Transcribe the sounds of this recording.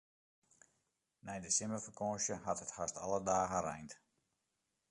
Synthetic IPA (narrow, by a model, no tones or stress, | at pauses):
nɛjdəsɪməfərkɔ̃ːʃjəhathəthastʰa̰lədaːɣəɾɛ̰jnt